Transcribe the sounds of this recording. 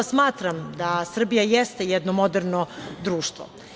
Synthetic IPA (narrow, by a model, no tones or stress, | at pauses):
smaːt̪ɾamd̪asr̩bijajɛst̪ejɛd̪nomod̪ɛrnod̪ɾuːʃt̪ʋo̰